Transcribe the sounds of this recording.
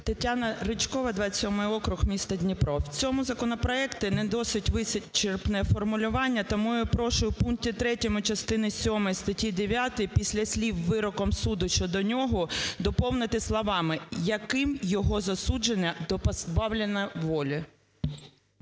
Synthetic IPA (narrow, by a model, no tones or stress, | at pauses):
t̪ɐtʲːanɐɾɪt͡ʃkɔʋɐd̪ʋɑsʲɔmɪjɔkɾʊɣmʲist̪ɐdʲnʲipɾɔwt͡sʲɔmʊzɐkɔnɔpɾɔɛkt̪ɪnɛd̪ɔsɪtʲʋɪsɪtʲt͡ʃerpnɛfɔrmʊlʲʊʋɑnʲːɐt̪ɐmujʊpɾɔʃʊjʊpuŋk̚tʲit̪ɾɛtʲɔmʊt͡ʃɐst̪ɪnɪsʲɔmɔjst̪ɐtʲid̪eʋʲjat̪ɔjipʲisʲlʲɐsʲlʲiwːɪɾɔkɔmsud̪ʊʃt͡ʃɔd̪ɔnʲɔɦɔd̪ɔpɔwnɪt̪ɪslˠɔʋɑmɪjɐkɪmjɔɦɔzɐsud͡ʒenʲːɐd̪ɔpɐzbɑwlʲenɐʋɔlʲɐ